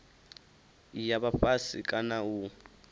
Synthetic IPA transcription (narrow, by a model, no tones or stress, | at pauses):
ijaβaɸasḭkʼanau